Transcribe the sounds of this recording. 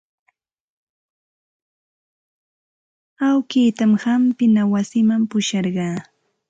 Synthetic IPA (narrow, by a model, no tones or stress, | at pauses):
awkiːt̪amhampɪnawasɪmampʊʃɑɾɢɑː